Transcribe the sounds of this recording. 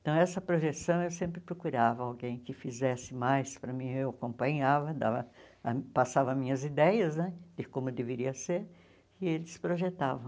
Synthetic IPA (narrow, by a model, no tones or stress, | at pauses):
eẽt̪ɐ̃w̃ɛsɐpɾoʒesɐ̃w̃ewsẽmpɾɪpɾokuɾavɐawɡẽj̃kɪfizɛsɪmajspɾɐmĩɲewakõpɐ̃ɲavɐd̪a̰vɐ | ɐpasavɐmĩɲɐzid̪ɛjɐznɛd̪̥ɪkõmʊd̪eveɾiɐseɾ | ɪelɪspɾoʒet̪avɐ̃w̃